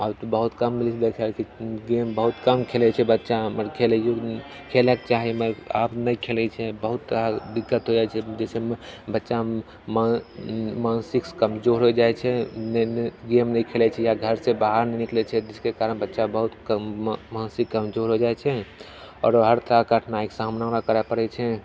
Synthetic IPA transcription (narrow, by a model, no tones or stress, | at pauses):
abt̪obəɦut̪kəmːilt͡ʃʰd̪ekʰɛkiɡembəɦut̪kəmkʰelɛt͡ʃʰɛbətːʃaməɾkʰelɛjo | kʰelɛket͡ʃaɦiməɾa̰pnəjkʰelɛt͡ʃʰɛbəɦut̪ːəɾad̪ikːət̪ɦod͡ʒaɛt͡ʃʰɛd͡ʒɛsebətːʃa | ma | maːnsikskəmd͡ʒoɾɦod͡ʒaɛt͡ʃʰɛnɡemnəikʰelɛt͡ʃʰɛjaɡʱəɾsẽbaɦaɾnɛniklɛt͡ʃʰɛd͡ʒiskekaɾənbətːʃabəɦut̪ | mansikːəmd͡ʒoɾɦod͡ʒaɛt͡ʃʰɛ | ɔ̰ːɾɦəɾt̪əɾakəʈʰnaiksaɦəmnãɾakəɾɛpəɾɛt͡ʃʰɛ